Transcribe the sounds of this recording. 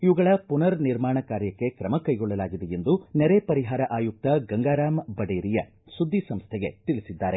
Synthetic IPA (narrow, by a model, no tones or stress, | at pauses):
iʋuɡɐɭɐpunɐɾniɾmaːɳɐkaːɾjɐkːe̞kɾɐmɐkɐjɡɔɭːɐlaːɡid̪eje̞nd̪uneɾepɐɾiɦaːɾɐʔaːjuk̚t̪ɐɡɐŋɡaːɾaːmbɐɽeːɾijɐ | sud̪ʱːisɐmst̪ʰɛɡe̞̰t̪ilisid̪ːaːɾe̞